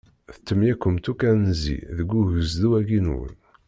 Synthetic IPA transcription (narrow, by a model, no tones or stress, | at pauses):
θət̪ːəmjækːəmt̪ukænnzḭðəɡʷːuʝəzðuæɡinwə̰n